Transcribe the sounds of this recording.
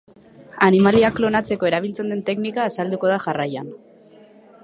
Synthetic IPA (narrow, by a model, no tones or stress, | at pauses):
animaliaklo̞nat͡se̞ko̞e̞ɾaβ̞ilt͡se̞nd̪e̞nt̪e̞knikaːsald̪uko̞ð̞aʝaraja̰n